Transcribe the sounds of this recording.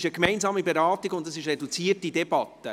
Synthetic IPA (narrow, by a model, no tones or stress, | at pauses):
ʃəkmɛɪnzɑːmibeɾɑːtiɡʊntdɑsɪʃrɛdut͡siːətidɛbɑttə